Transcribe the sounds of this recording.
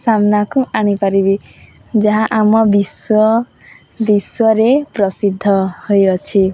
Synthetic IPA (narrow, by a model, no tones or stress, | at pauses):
samnakuaɽ̃ipaɾibi | d͡ʒaɦaʔamɔbiswɔ | biswɔɾepɾɔsid̪ʱːɔhojɔt͡ʃʰi